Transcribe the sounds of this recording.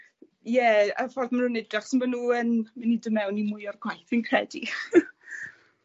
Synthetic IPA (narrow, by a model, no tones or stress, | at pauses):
jɛəfɔrðmanhunɪdraχsɪnmanuːənmanidəmɛwnimʊjɔrɡwajθɪnkʰrɛdi